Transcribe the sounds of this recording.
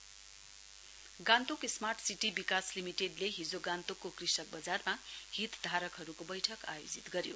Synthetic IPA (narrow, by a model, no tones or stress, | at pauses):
ɡãnt̪okesmarʈʰsiʈibikaslimiʈeɖleɦid͡zoɡãnt̪okːokrisʌk̚bʌd͡zarmahit̪d̪ʱaɾʌkɦʌɾukobʌjʈʰʌka̰jod͡zit̪ɡʌɾjo